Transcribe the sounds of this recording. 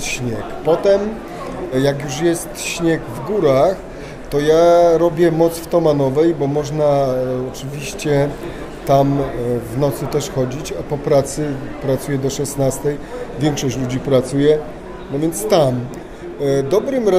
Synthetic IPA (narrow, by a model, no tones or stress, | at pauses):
ɕɲɛkpɔt̪ɛm | jakjuʂjɛst̪ɕɲɛɡvɡuɾax | t̪ɔjaɾɔbʲjɛmɔt̪sft̪ɔmanɔvɛjbɔmɔʐnaɔt͡ʂɘvʲiɕt͡ɕɛ | t̪amvnɔt̪sɘt̪ɛʂxɔd͡ʑit͡ɕapɔpɾat̪sɘpɾat̪sujɛd̪ɔʂɛsnast̪ɛj | vʲjɛŋkʂɔɕt͡ɕlud͡ʑipɾat̪sujɛ | nɔvʲjɛnt̪st̪am | d̪ɔbɾɘmɾɛ